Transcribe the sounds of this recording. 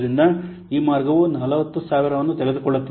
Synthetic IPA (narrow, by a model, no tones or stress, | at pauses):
ɾind̪ɐ | iːmaːɾɡɐʋunɐlɐʋɐt̪ːusaːʋiɾɐʋɐnːut̪ɛɭed̪ukɔɭːɐt̪ːi